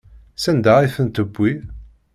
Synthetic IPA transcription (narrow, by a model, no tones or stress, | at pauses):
sænd̪æʁiθənt̪əbːi